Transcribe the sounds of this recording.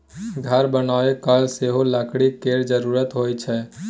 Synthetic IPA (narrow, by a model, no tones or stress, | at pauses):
ɡʱəɾbənaːekalseɦoləkɽikeɾd͡ʒəɾuɾət̪ɦojt͡ʃʰɛ